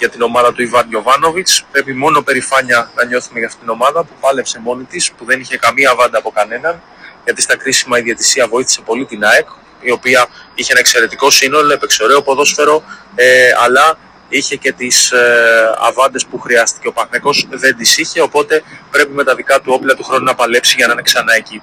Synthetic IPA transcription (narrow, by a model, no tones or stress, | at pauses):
ʝɐt̪ino̞mɐðɐt̪uivɐnʝo̞vɐno̞vit͡spɾe̞pimo̞no̞pe̞ɾifɐɲɐnɐɲo̞θume̞ʝɐft̪it̪ino̞mɐðɐpupɐle̞pse̞mo̞nit̪ispuðe̞niçe̞kɐmiɐːvɐnd̪ɐːpo̞kɐne̞nɐn | ʝɐt̪ist̪ɐkɾisimɐiðie̞t̪i̥siɐvo̞iθi̥se̞po̞lit̪inɐek | io̞piɐiçeenɐekse̞ɾe̞t̪iko̞sino̞loepe̞kso̞ɾe̞opo̞ðo̞sfe̞ɾo̞eɐlɐ | içe̞ce̞t̪is | ɐ̰vɐnd̪e̞spuxɾiɐst̪i̥ce̞o̞pɐθneko̞zðe̞nd̪isiçe̞o̞po̞t̪e̞pɾe̞pime̞t̪ɐðikɐt̪uo̞plɐt̪uxɾo̞nunɐpɐle̞psiʝɐnɐineksɐnɐeci